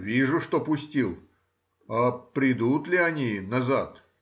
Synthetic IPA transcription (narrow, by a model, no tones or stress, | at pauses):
vʲiʐʊʂt̪opʊsʲtʲilˠ | apɾʲɪd̪ut̪lʲɪɐnʲinɐzat̪